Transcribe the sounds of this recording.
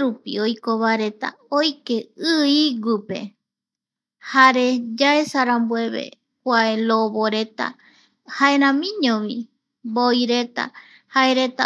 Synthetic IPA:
ɾupḭojkoβaeɾe̞t̪a̰ojke̞ɨiɡʷipe̞̰ | haɾe̞d͡ʒaesaɾambwe̞βḛ | kʷaeloβoɾe̞t̪a̰ | haeɾ̃ãmĩɲõβi | bojɾe̞t̪a̰ | haeɾe̞t̪a

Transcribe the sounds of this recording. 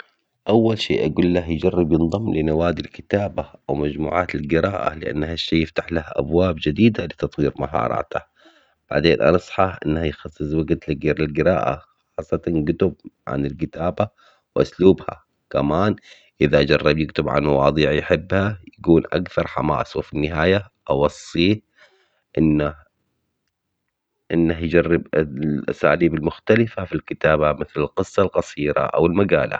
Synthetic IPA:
ʔawːalʃeːʔaɡuːlːahjd͡ʒɑrˤːɑbjɪnðˤɑmːlɪnawaːd̪ilkɪt̪aːbaʔawmad͡ʒmṵːʕa̰ːt̪ɪlɡɪɾɑːʔa̰lɪʔa̰nːhaʃːiːjːɪft̪aħlahaʔa̰bwaːbd͡ʒɪd̪iːd̪alɪt̪ɑt̪ˤwiːɾmaɦɑ̰ːɾˤɑ̰ːt̪a | b̥aʕd̪eːnʔa̰nɑsˤħɑħʔɪnːhajxɑsˤːɨsˤwaɡt̪laɡiɾɪlɡɪɾɑːʔa̰xɑːsˤːɑt̪ɑnɡʊt̪ʊb̚ʕa̰nɪlkɪt̪aːba | wʔʊsluːbha̰ | kamaːn | ʔɪðad͡ʒɑrˤːɑbjɪkt̪ʊbʕa̰nmɑwɑ̰ːðˤiːʕjħɪbːhajkuːnʔakθɑɾˤħa̰ma̰ːsˤwɪfinːɪɦaːja | ʔɑwɑsˤːiː | ʔɪnːa | ʔɪnːahjd͡ʒɑrˤːɪbʔa̰saːliːbɪlmʊxt̪alɪfafilkɪt̪aːbamɪθlɪlqɨsˤːɑlqɑsˤiːɾa̰ʔa̰wɪlmaɡaːla̰

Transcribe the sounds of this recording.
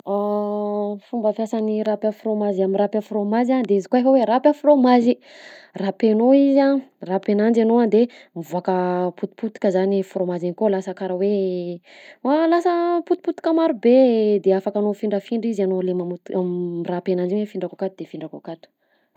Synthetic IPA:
a | fumbəfjasaniɾapafɾomaziamiɾapʲafɾomazand̪eizikoefaweɾapʲafromazirapenoizarapenand͡ʒenoand̪emivuakəput̪u̥put̪i̥kəzanifɾomazenikolasakaɾəwe | alasəput̪u̥put̪i̥kamaɾubed̪eafakanofiɳɖ͡ʐəfiɳɖ͡ʐizanolemamut̪amːrapenand͡ʒiɲefiɳɖ͡ʐakakat̪ud̪efiɳɖ͡ʐakakat̪u̥

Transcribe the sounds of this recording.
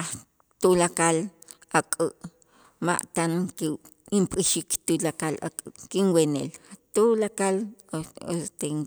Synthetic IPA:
a | t̪ulakalakʼəʔ | ma̰ʔt̪anke | impʼiʃikt̪ulakala̰kʼɨʔkinwenḛlt̪ulakalost̪eŋ

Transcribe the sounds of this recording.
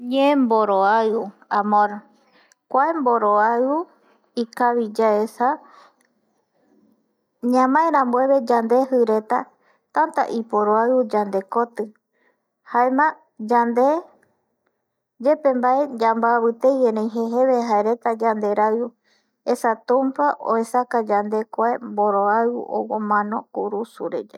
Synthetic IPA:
ɲẽmboɾoauamõɾ | kʷaemboɾoau | ikaβid͡ʒaesa | ɲãmãẽɾãmbwe̞βe̞d͡ʒand̪e̞ɦɨɾe̞t̪a | t̪ant̪a̰ʔipoɾoaud͡ʒand̪e̞ko̞t̪ɨ | haemã | d͡ʒand̪e̞ | d͡ʒe̞pe̞mbaed͡ʒambaːβɨt̪ejenẽj̃ɦeɦe̞βeɦaeɾe̞t̪ad͡ʒand̪e̞ɾau | e̞sat̪ũmpaʔo̰e̞sakad͡ʒand̪e̞kʷaemboɾoaṵʔo̰womãnõ̞kuɾusuɾe̞̰d͡ʒe

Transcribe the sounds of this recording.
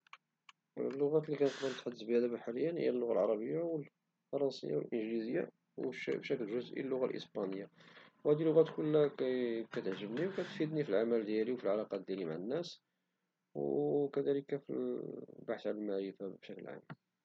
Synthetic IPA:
lːʊɣæt̪likænəqd̪ənət̪ħad̪ːəsbihæd̪æbæħaləjːənhə̰ːælːʊɣa̰lʕɑɾˤɑbəjːawəl | fɑɾˤɑnsə̰jːa̰wə̰lʔənʒlizəjːa̰ | wbʃæklʒʊzʔḭlːʊɣæ̰lʔə̰spænəjːawhæd̪ilʊɣæt̪kʊlːækæt̪ʕʒəbniwkæt̪fid̪nifilʕamæld̪jæliwfilʕalɑqɑd̪jælimaʕənːæs | wkæd̪æləkæfilbaħθʕalælmaʕɾəfabʃæklə̰ʕa̰ml

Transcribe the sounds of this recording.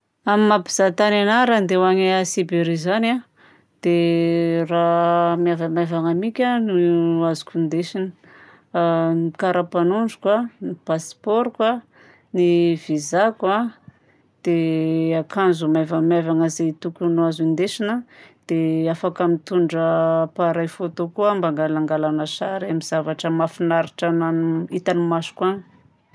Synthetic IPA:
amimapi̥z̥at̪ananaɾand̪ewaŋeasibeɾizana | d̪̥e | ramjavamavaŋamikʲanuazu̥kʲund̪eʃinə̥ | kaɾapanuɳɖ͡ʐukwanipaspɔɾkwa | nivizaka | d̪̥eakʰanzumavamavaŋəzet̪ukʲunuazind̪eʃinəd̪̥eafakəmit̪uɳɖ͡ʐəpaɾajfot̪okuambaŋɡalaŋɡalanəsaɾamiz̥avaʈ͡ʂəmafinaɾiʈ͡ʂanait̪animasu̥kwani̥

